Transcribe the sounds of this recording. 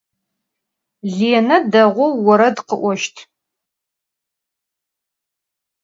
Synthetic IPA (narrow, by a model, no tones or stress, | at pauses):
ɮeːnɐdɐʁʷʊːɔɾɐdqəʔʷɔʃtʰ